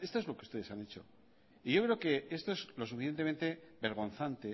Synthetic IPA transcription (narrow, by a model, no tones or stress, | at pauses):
e̞st̪oe̞zlo̞keust̪e̞ðe̞sane̞t͡ʃo̞̰ | iʝo̞kɾeo̞ke̞est̪o̞ezlo̞s̬ufiθjent̪̬eẽ̞nt̪e̞be̞ɾɣ̞o̞nθant̪e̞